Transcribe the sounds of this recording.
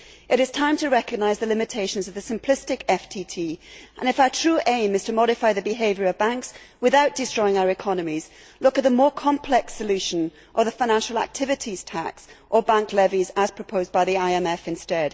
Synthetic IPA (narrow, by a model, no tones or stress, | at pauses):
ʔɨɾɨz̥tʰãɪ̃mtʰəɹɛkɨɡ̚naɪzðəlɪ̃mɨtʰeɪʃə̃n̩zʌvðɨsɨ̃mpʰl̥ɪstɨkɛftʰitʰiʔə̰̃nɨfaʊə˞tʰɹ̥ʉːʔẽɪ̃mɨz̥tʰəmɒɾɨfaɪðɨbɨɦeɪvjə˞əvbãŋks | wɪðaʊʔ̚d̥ɨstɹ̥ɔɪɪ̃ŋaʊə˞ɨkʰɒnəmiz̥ | lʊkɨt̪̚ðəmɔːɹkʰɑ̃mpʰl̥ɛksəlʉʃə̃n | ʔə˞ðəfaɪñãnʃl̩ˠa̰k̚tʰɪvɨtʰiz̥tʰa̰ksʔə˞bãŋklɛvizəz̥pʰɹ̥əpʰoʊzbaɪðiaɪɛ̃mɛfɨ̃nstɛd̥